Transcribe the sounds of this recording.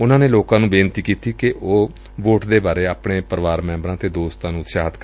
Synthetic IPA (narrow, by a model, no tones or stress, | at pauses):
ʊnãːneːloːkãːnũːbeːnt̪iːkiːt̪iːkɪʔoː | ʋoːʈd̪eːbaːɾeːaːpɳeːpəɾʋaːɾmɛ̃ːmbɾãːt̪eːd̪oːst̪ãːnũːt̪ʃaːɦət̪k